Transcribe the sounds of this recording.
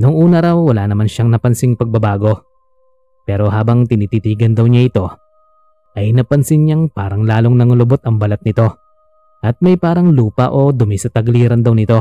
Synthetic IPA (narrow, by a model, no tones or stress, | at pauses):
nʊŋʔuːnɐɾawːɐlaːnɐmanʃɐŋnɐpɐnsɪŋpɐɡ̚bɐbaːɡo̞ | pɛːɾo̞ɦaːbɐŋt̪ɪnit̪iːt̪iːɡɐnd̪ɐwɲaʔɪt̪o̞ | ʔɐjnɐpɐnsɪnɲaŋpaːɾɐŋlaːlo̞ŋnɐŋʊlʊbot̪ɐŋbɐlɐt̪̚nɪt̪o̞ | ʔɐt̪̚mɐjpaːɾɐŋluːpɐ̰ʔo̞d̪ʊmɪsɐt̪ɐɡliːɾɐnd̪ɐwnɪt̪o̞